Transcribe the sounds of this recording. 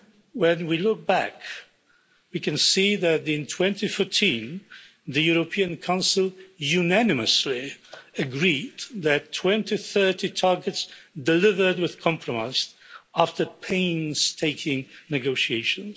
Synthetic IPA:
wɛ̃nwilʊk̚b̥æ̰k | wikɨ̃nsiðɨɾɪ̃ntʰw̥ɛ̃ntifɔɹtʰĩn | ðɨjuɹopʰiɨ̃nkʰãʊ̃nsəl̩ˠjʉnænɨməsliɨɡɹidðɨtʰːw̥ɛ̃ntiθɜ˞titʰɑɹɡɨtsdɨlɪvə˞d̚wɨð̥kʰɑ̃mpʰɹɔmaɪz | æftʰə˞pʰẽɪ̃nz̥tʰeɪkʰɪ̃ŋnɨɡoʊʃieɪʃɨ̃nz

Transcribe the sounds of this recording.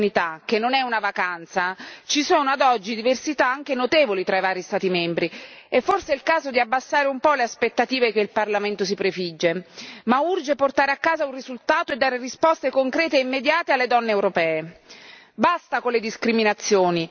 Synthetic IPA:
nit̪ak̟enːonɛunavakant̪sat͡ʃisoːnoad̪ɔd͡ʒːid̪iversit̪aaŋk̟enot̪eːvolit̪ɾaivaːɾist̪aːt̪imɛmbɾiɛfːorseɛilkaːzod̪iabːasːaːɾeumpɔleaspet̪ːat̪iːvekeilparlament̪os̬ipɾefid͡ʒːemaurd͡ʒeport̪aːɾeakːaːzaunrizult̪aːt̪oed̪ːaːɾerispɔst̪ekoŋkɾɛːt̪eeimːed̪jaːt̪ealːed̪ɔnːeːwɾopɛːe | bast̪akolːed̪iskɾiminat̪sːjoːni

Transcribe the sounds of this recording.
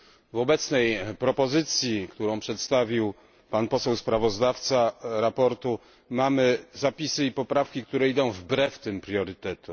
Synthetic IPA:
vɔbɛt̪snɛjpɾɔpɔzɘt̪sʲjikt̪uɾɔ̃w̃pʂɛt̪st̪avʲiw | panpɔsɛwspɾavɔzd̪aft̪saɾapɔɾt̪u | mamɘzapʲisɘipɔpɾafkʲik̚t̪uɾɛid̪ɔ̃w̃vbɾɛft̪ɘmpɾʲjɔɾɘt̪ɛt̪u

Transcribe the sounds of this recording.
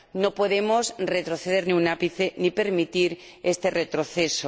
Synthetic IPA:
no̞po̞ðe̞mo̞sre̞t̪ɾo̞θeð̞e̞ɾniunapiθenipe̞ɾmit̪iɾe̞st̪e̞re̞t̪ɾoθe̞so

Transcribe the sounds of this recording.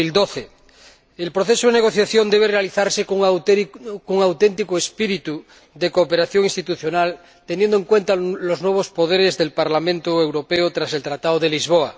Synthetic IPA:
ild̪oθe | elpɾoθesoð̞eneɣ̞o̞θjaθjo̞nd̪eβ̞erealiθaɾsek | kuŋawt̪ent̪̬ikoespiɾit̪u | ðekoːpeɾaθjo̞ŋĩnst̪it̪uθjonal | t̪enjend̪oeŋkwẽ̞nt̪aloznweβ̞ospoð̞eɾezðe̞lpaɾlamẽnt̪oewɾo̞peot̪ɾase̞lt̪ɾat̪aðoðelizβ̞oa

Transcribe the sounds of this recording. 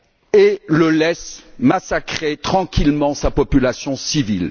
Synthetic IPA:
eləlɛsmasakχet̪χɑ̃kʲilmɑ̃sapɔpylasjɔ̃sivil

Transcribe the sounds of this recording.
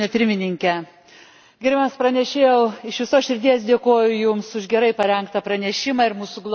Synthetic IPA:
nʲɛpʲɪɾʲmʲɪnʲɪŋʲkʲɛ | ɡʲɪɾʲbʲɛmspɾɐnʲɛʃʲeːjɛʊɪʃʋʲɪsoːsʃʲɪɾʲt̪ʲiɛs̬d̪ʲeːkoːjʊjʊmsʊʒɡʲɛɾɐɪpɐɾʲɛŋkt̪ɐpɾɐnʲɛʃʲɪmɐɪɾmuːsʊɡlˠ

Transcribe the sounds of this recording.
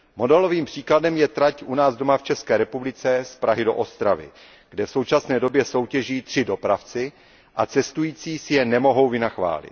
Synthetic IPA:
mo̞dɛlo̞viːmpr̝̥iːkladɛmjɛt̪ɾacʔunaːzdo̞maft͡ʃɛskɛːɾɛpublɪt͡sɛspɾaɦɪdo̞ʔost̪ɾavɪ̰ | ɡ̥dɛfso̞wt͡ʃasnɛːdo̞bjɛso̞wcɛʒiːt̪r̝̥ɪdo̞pɾaft͡sɪ | ʔat͡sɛst̪ujiːt͡siːsɪjɛnɛmo̞ɦo̞wvɪnaxva̰ːlɪ̰t̪

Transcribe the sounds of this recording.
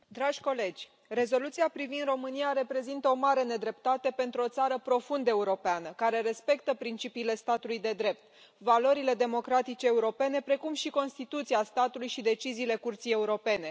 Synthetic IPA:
d̪ɾaʒʲko̞le̞d͡ʒʲ | re̞zo̞lut̪siapɾivind̪ro̞mɨnijaɾe̞pɾe̞zint̪əo̞maɾe̞ne̞d̪ɾe̞pt̪at̪e̞pe̞nt̪ɾuo̞t̪saɾəpɾo̞fund̪əe̞uɾo̞peanəkaɾe̞ɾe̞spe̞k̚t̪əpɾint͡ʃipiːle̞st̪at̪ulujd̪e̞d̪ɾe̞p̚t̪̚ | valo̞ɾile̞d̪e̞mo̞kɾat̪it͡ʃeːuɾo̞pe̞ne̞pɾe̞kumʃiko̞nst̪it̪ut̪siast̪at̪ulujʃid̪e̞t͡ʃiziːle̞kurt̪sije̞uɾo̞pe̞ne̞

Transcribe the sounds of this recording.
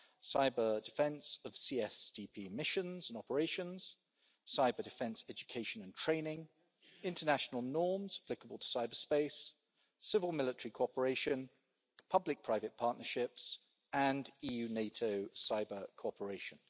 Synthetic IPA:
saɪbədɪfɛ̃nsəv̥siːɛstʰipʰiːmɪʃə̃nzə̃nɒpəɹeɪʃə̃nz̥ | saɪbədɪfɛ̃nsɛd͡ʒəkʰeɪʃə̃nə̃ntʰɹ̥ẽɪ̃nɪ̃ŋ | ɪ̃ntʰənaʃənəlˠnɔːmz̥əpʰl̥ɪkəbəlˠtʰə̥saɪbəspeɪs | sɪvəlˠmɪlɪtəɹikʰɔˑpəɹeɪʃə̃n | pʰʌblɪk̚pʰɹ̥aɪvət̚pʰɑˑʔnəʃɪps | ə̃ndiːjʉːneɪtʰəʊsaɪbəkʰoɔˑpʰəɹeɪʃə̃n

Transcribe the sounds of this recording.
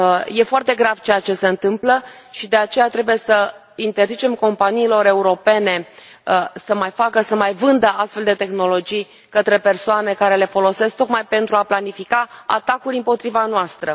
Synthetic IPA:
je̞foart̪e̞ɡɾav̥t͡ʃejat͡ʃe̞se̞ɨnt̪ɨmpləʃid̪e̞at͡ʃe̞jat̪ɾe̞buje̞sə | int̪e̞rzit͡ʃe̞mko̞mpaniːlo̞ɾe̞uɾo̞pe̞ne̞ | səmajfakəsəmajvɨnd̪əast̪fe̞ld̪e̞t̪e̞xno̞lo̞d͡ʒij | kət̪ɾe̞pe̞rsoane̞kaɾe̞le̞fo̞lo̞se̞sk̚t̪o̞kmajpe̞nt̪ɾuaplanifikaa̰t̪akuɾʲimpo̞t̪ɾivanoast̪ɾə

